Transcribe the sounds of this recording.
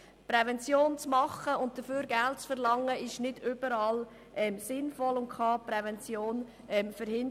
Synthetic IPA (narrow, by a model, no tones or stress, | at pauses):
pɾɛvɛnt͡sjoːnt͡smɑχəʊnt̚d̥əfyːɾɡæltt͡sfəɾlɑŋːəɪʃnɪdʏb̥əɾɑːl | ʔɛmsɪnfɔlʊntkʰχɑːpɾɛvɛnt͡sjoːn | ɛmfəɾhɪn